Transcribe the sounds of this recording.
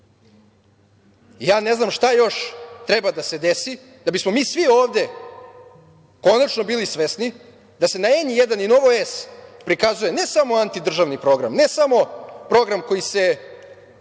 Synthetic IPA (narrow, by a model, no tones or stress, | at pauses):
jaːne̞znamʃt̪ajo̞ʃt̪ɾebad̪ase̞d̪esi | d̪abismo̞miːsʋio̞ːʋd̪e̞ | ko̞nat͡ʃno̞biːlisʋesni | d̪ase̞naeɲijed̪anino̞ʋoespɾikazuje̞ne̞samo̞ant̪id̪r̩ʒaʋnipɾo̞ɡɾa̰mne̞samo̞pɾo̞ɡɾamko̞jise̞